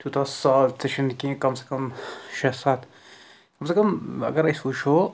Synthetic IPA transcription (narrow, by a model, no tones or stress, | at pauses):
t̪ut̪ʰasaːlseʃɐnkĩkɐmse̥kɐmʃɐsaːt̪ | kɐmsekɐmɐ̰ɡɐɾɐsuʃo